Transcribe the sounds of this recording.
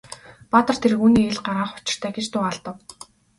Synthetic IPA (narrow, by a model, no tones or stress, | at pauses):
pat̪ə̆r̥t̪ʰeɾɘ̆ɣuːniːeɮɢaɾaːχʊ̥t͡ɕɪ̆r̥t̪ʰæːɡet͡ɕt̪ʊːaɮt̪ə̆w